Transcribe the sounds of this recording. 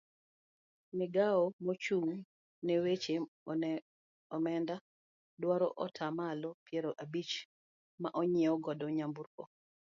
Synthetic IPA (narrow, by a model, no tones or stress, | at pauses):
nɪɡaɔmɔt͡ʃuŋ | nɛwet͡ʃe | ɔmɛnda | dwaɾɔ̰ʔɔtʰamalɔpjɛɾoʔabit͡ʃ | maʔɔɲiɛɔɡɔdɔɲambuɾko